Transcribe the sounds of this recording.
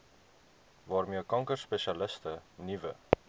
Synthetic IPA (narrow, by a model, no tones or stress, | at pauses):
vɑːrmiəkɐŋkərspɛʃiɐləstənivə̰